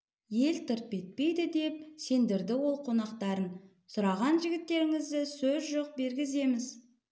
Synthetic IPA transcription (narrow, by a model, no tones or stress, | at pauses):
je̞lt̪ʰʊɾt̪̚pe̞t̪̚pe̞jd̪ɪd̪e̞p̚se̞nd̪ɪɾd̪ɪwo̞lˠqʰo̞nɑqt̪ɑɾən | sʊɾɑʁɑnʒɪɡʲɪt̪ːe̞ɾɪŋɪzd̪ɪsɵzʒoq̚be̞ɾɡʲɪze̞mɪz